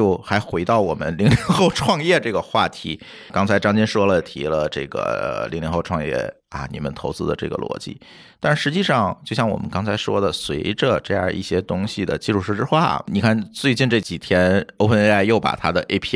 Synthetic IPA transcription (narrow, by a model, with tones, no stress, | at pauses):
t͡ɕjo˥˩ʊxa˧˥ɪxwe˧˥ɪt̪ɑ˥˩ʊwɔ˨˩mə̰˦nli˧˥ŋli˧˥ŋxo˥˧ʊʈ͡ʂʰwɑ˥˧ŋjɛ˥˧ʈ͡ʂɤ˥˩ɡə˩xwa˥˩t̪ʰi˧˥ | kɑ˥ŋt͡sʰa˧˥ɪʈ͡ʂɑ˥ŋt͡ɕi˥nʂwɔ˥lə˨t̪ʰḭ˧˥lə˧ʈ͡ʂɤ̰˥˩ɡə̰˩li˧˥li˧˥ŋxo˥˧ʊʈ͡ʂʰwɑ˥˧ŋjɛ̰˥˩ | ɐ̰˨˩nḭ˨˩mə̰˧˦nt̪ʰo˧˥ʊt͡sɹ̩˧d̪ə˨ʈ͡ʂɤ̰˥˩ɡə̰˩lwɔ̰˧˥t͡ɕḭ˥˩ | t̪a˥˧nʂɻ̩˥˩ʂɻ̩˧˥t͡ɕi˥˧ʂɑ˥˧ŋt͡ɕjo˥˧ʊɕjɑ˥˩ŋwɔ̰˨˩mə̰˦nkɑ˥ŋt͡sʰa˧˥ɪʂwɔ˥d̪ə˨swe˧˥ɪʈ͡ʂə˧ʈ͡ʂɤ˥˧jɑ̰˥˧ʔḭ˥˩ɕjɛ˥t̪ʊ˥ŋɕi˨˩d̪ə̰˩t͡ɕi˥˧ʂu˥˧ʂɻ̩˥˧ʈ͡ʂɻ̩˥xwa̰˥˩˥ni˨˩kʰa˥˩nt͡swe˥˧ɪt͡ɕi˥˧nʈ͡ʂɤ˥˩t͡ɕi˨˩t̪ʰjɛ˥no˥ʊpʰə˥n˥la˥˧ɪjo˥˩ʊpa̰˨˩t̪ʰa˥d̪ə˨ʔe˥ɪpʰi˥